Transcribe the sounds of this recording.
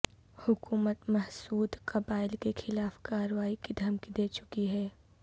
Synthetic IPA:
hʊkuːmət̪mɐɦsuːd̪kɐbaːɪlkexʰɪlaːfkaːɾʋaːikid̪ʱɐmkid̪eːt͡ʃʊkiɦɛː

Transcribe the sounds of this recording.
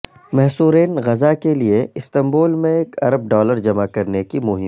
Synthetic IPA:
mɛɦsuːɾeːnɣɐzakelieɪst̪ɐ̃mboːlmẽeːkʰɐɾəb̚ɖɔːləɾd͡ʒɐmakɐɾnekimʊɦɪ̃

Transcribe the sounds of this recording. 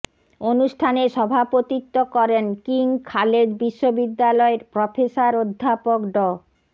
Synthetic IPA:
onuʃʈʰaneʃɔbʱapot̪it̪ːokɔɾenkiŋkʰaled͡ʑbiʃːobid̪ːalɔeɾpɾɔfesaɾod̪ʱːapokɖɔ

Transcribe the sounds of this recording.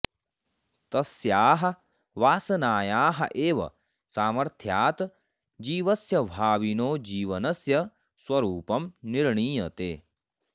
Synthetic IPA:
t̪ɐsjaːɦɐ̆ | ʋaːsɐnaːjaːɦɐ̰ʔeːʋɐ̰ | saːmɐɾt̪ʰjaːt̪ | d͡ʒiːʋɐsjɐʋʱaːʋinoːd͡ʒiːʋɐnɐsjɐ | swɐɾuːpɐmniɾɳiːjɐt̪ḛː

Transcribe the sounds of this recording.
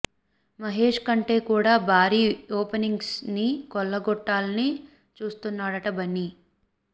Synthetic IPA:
mɐɦeːʂkɐɳʈe̞ːkuːɽaːbʱaːɾiːoːpɐniŋɡsnikɔlːɐɡɔʈːaːlɐni | t͡ʃuːst̪unːaːɽɐʈɐbɐnːi

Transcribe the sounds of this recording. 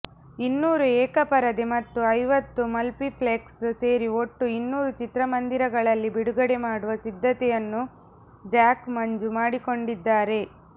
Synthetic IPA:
inːuːɾuɛːkɐpɐɾɐd̪emɐt̪ːuɐjʋɐt̪ːumɐlpipʰleksse̞ːɾioʈːuinːuːɾut͡ʃit̪ɾɐmɐnd̪iɾɐɡɐɭɐlːibiɽuɡɐɽe̞maːɽuʋɐsid̪ʱːɐt̪ɛjɐnːu | d͡ʒaːkmɐɲd͡ʒumaːɽiko̞ɳɖid̪ːaːɾe̞

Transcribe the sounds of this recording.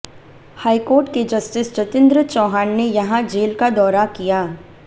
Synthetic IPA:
haːikoːɾʈked͡ʒɐsʈɪst͡ʃɐt̪ɪ̃nd̪ɾət͡ʃɔːɦaːnnejɐɦãd͡ʒeːlkad̪ɔːɾakijaː

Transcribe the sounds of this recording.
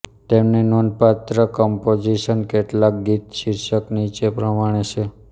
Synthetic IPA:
t̪emnenonpat̪ɾəkɔmpod͡ʒiʃənkeʈlak̚ɡit̪ʃiɾʃəknit͡ʃepɾəmaɽ̃et͡ʃʰe

